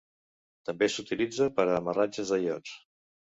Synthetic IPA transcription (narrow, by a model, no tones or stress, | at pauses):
t̪əmbesut̪ilid͡zəpəɾəːmərad͡ʒəzəʎɔt͡s